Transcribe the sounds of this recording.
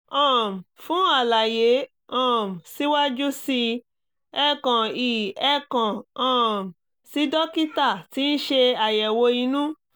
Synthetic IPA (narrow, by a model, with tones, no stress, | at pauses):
ɔ̃˦˨m˨fũ˨˦a˦˨la˨je˨˦ | ɔ̃˦˨m̩˨si˨˦wa˦d͡ʒu˦si˧ | ɛ˦˨kã˨iː˨ɛ˦kã˨ɔ̃˦˨m˨ | si˨˦dɔ˦ki˦ta˦˨ti˨˦ñ̩˦ʃe˧a˨jɛ˨wo˧i˧˦nũ˦